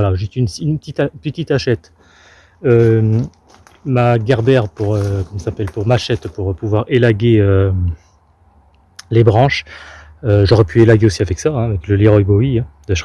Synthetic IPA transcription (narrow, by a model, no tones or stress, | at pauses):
alaʒet̪ynsynpət̪it̪apət̪it̪aʃɛt̪ | ø | maɡaʁb̪ɛʁpuʁøkɔmɑ̃sapɛlpuʁmaʃɛt̪puʁpuvwaʁelaɡʲeø | lebʁɑ̃ʃ | øʒɔʁɛpʰyelaɡʲeosiavɛksaɛ̃avɛkləliʁɔjboiɛ̃d̪əʃ